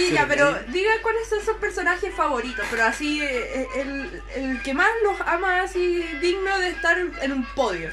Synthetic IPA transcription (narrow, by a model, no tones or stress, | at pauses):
iʎapeɾod̪iɣakwale̞sːonsuhpeɾsonaxesfaβo̞ɾit̪ospe̞ɾoasieʔel | elkemaslo̞samaːsiðiɣnoðeːst̪aɾenumpo̞ðjo